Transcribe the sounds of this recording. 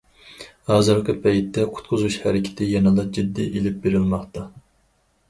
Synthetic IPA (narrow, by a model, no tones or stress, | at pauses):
hɑːzɨɾqʰəpʰɛjt̪ːɛqʰʊ̥t̪qʰʊzuʃhæɾɪkʲʰɪ̥t̪ʰɪjɑnɑlˠɑd͡ʒid̪ːiʔelɪp̚beɾɪlmɑχt̪ɑ